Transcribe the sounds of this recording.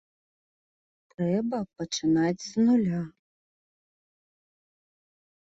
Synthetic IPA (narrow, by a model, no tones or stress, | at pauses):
t̪ɾɛbɐpɐt͡ʂɨnad͡zʲznulʲa